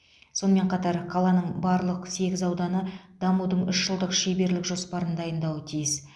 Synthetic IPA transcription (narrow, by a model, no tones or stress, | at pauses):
so̞nəme̞ɴqʰɑt̪ɑɾqʰɑlˠɑnəɴbɑɾlˠəqse̞ɡʲɪzɑwd̪ɑnəd̪̥ɑmud̪əɴʏʃʒəlˠd̪əqʃe̞be̞ɾlɪkʒo̞spɑɾənd̪ɑjənd̪ɑwət̪ʰijɪs